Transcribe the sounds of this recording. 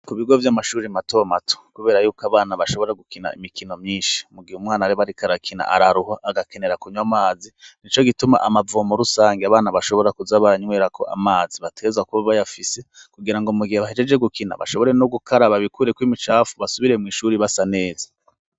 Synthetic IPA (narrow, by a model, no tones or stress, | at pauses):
kuβiɡo̞vjamaʃuːɾimatomatʰo̥kuβe̞ːɾajuːkaβaːnaβaʃo̞βo̞ɾeɡukina̰ḭmikino̞mɲiːnʃi̥muɡihumŋaːnaɾiβaɾikaɾakʰina̰ʔaɾaɾuhaʔːɡakene̞ɾakuɲwamaːzinit͡ʃo̞ɡituma̰ʔamavoːmoɾusaːŋɡeaβaːnaβaʃo̞βo̞ɾakuzaβaɲwe̞ːɾakʰo̞ʔa̰maːziβateezwakuβaβajafise̞kuɡiɾaŋɡomuɡiheβaɦed͡ʒe̞d͡ʒeɡukina̰βa̰ʃo̞βo̞ɾe̞noɡukʰaɾaβaβikuɾe̞kwimit͡ʃaːfuβasuβiɾe̞mŋiːʃuːɾiβasane̞ːzḁ